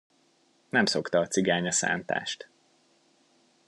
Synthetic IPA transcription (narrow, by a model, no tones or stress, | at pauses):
nɛmso̞kt̪ɒːt̪siɡaːɲɒsa̰ːnt̪a̰ːʃt̪